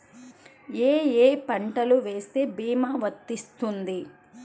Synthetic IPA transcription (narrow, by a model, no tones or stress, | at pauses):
eːeːpɐɳʈɐluʋe̞ːst̪e̞ːbiːmaːʋɐt̪ːist̪und̪i